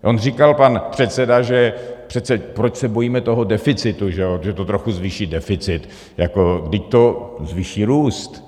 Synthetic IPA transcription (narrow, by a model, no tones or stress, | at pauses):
ʔo̞nrikalpanpr̝̥ɛt̪sɛdaʒɛpr̥ɛt̪t͡sɛpɾot͡ʃsɛbo̞jiːmɛt̪o̞ɦo̞dɛfɪt͡sɪt̪uʒɛoʒɛt̪ot̪ɾoxuzviːʃiːdɛfɪt͡sɪt̪ | jako̞ɡdɪʃt̪o̞zviːʃiːɾuːst̪